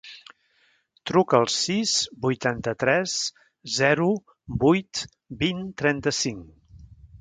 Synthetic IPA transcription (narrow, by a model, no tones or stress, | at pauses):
t̪ɾukəəlˠsizbujt̪ant̪ət̪ɾɛz | zɛɾu | bujt̪ | bint̪ɾɛnt̪əsiŋ